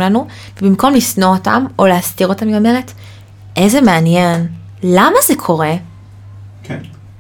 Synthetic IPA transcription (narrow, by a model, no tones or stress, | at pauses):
lanu | vebimko̞mlisnoota̰mo̞leastiʁo̞tamimame̞ʁet | ʔezemeanjen | lamazekʰo̞ʁe̞